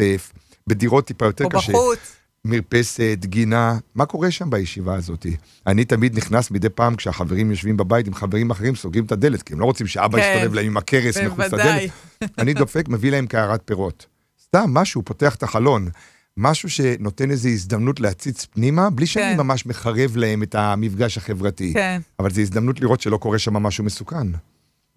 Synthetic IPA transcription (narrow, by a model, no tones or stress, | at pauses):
ef | bediʁo̞t̪ːipajo̞t̪eʁkaʃe | miʁpe̞set̪ɡinamako̞ʁe̞ʃambajeʃivaːzo̞t̪i | anitamid̪niχnasmid̪e̞jpaːmkʃeaχaveʁimjo̞ʃvimbabajit̬imχaveʁimaχeʁimsoɡimtad̪e̞le̞tkiemlo̞ʁot͡simʃea̰baist̪ovevlahemimakʰe̞ʁesmeχuaddeletanid̪o̞fe̞kme̞vilahe̞mkaaʁat̚peʁo̞t | st̪amːaʃupo̞teaχe̥t̪aχalo̞n | maʃuʃe̞no̞te̞ne̞zeisd̪amnutleat͡sit͡spnimabliʃeanimamaʃme̞χaʁe̞vlae̞me̞tamifɡaʃhaχe̞vʁatiavalzeis̬d̪amnutliʁo̞tʃe̞lo̞ko̞ʁe̞ʃamamaʃume̞sukan